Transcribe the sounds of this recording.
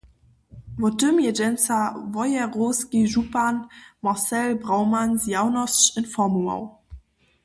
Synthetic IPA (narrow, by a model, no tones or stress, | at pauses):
vɔtʏmjɛd͡ʒɛnt͡savɔjɛʁoskiʒupanmasɛlbʁaʊmansjaʊnɔst͡ʃɪnfɔmua̰w